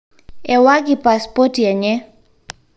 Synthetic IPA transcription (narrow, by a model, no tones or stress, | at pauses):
ɛwakipaspɔtiɛɲɛ